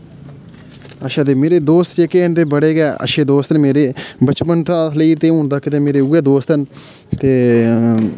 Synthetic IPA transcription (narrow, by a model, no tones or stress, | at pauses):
əʃãːd̪eːmeːɾeːd̪oːst̪d͡ʒeːkeːnd̪eːbəɽeːɡɛːə̰ʃeːd̪oːst̪nmeːɾeːbət͡ʃpənt̪ãːsliːɾt̪ẽːũɦʊnd̪aːkɪt̪eːmeːɾeːʊeːd̪oːst̪ən | t̪eː